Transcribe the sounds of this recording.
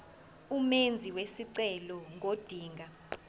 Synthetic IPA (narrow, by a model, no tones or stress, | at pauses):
umend͡zʱiwesiǀɛlɔŋʱod̥ʱiːŋʱa